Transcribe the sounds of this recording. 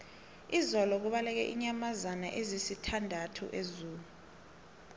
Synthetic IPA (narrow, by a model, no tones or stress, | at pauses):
izɔlɔk̬uɓalɛk̬ɛʔiɲamazana̰ʔezisitʰandʱatʰṵʔezuːlu